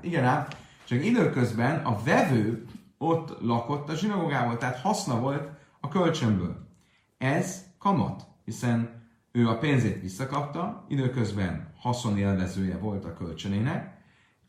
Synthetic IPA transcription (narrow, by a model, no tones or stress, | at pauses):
iɡɛnaːb | t͡ʃɒkid̪øːkø̞zbɛnɒvɛvøː | ot̪ːlɒko̞t̪ːɒʒinɒɡoɡaːboːlt̪ɛɦaːt̪hɒsnɒvo̞lt̪ | ɒkø̞lt͡ʃømbø̰ːl | ɛzkɒmɒ̰t̪hisɛn | øːɒpeːnzeːt̪ʋisːɒkɒp̚t̪ɒid̪øːkø̞zbɛnhɒso̞neːlvɛzøːjɛvo̞lt̪ɒkølt͡ʃøneːnɛk